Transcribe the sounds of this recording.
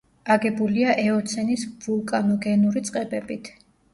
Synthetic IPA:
aɡɛbuliaʔɛɔt̪sʰɛnisvulˠkʼanɔɡɛnuɾit̪sʼqʼɛbɛbit̪ʰ

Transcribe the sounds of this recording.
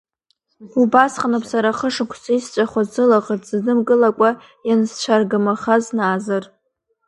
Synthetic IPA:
ubasχanɨpʰsaɾaχəʂɨkʷʰsaist͡ʃʷʼaχʷazzɨlaʁətʼzɨnɨmɡʼɨlakʷʼa | janst͡ʃʷʰarɡɨmaχaznaːzar

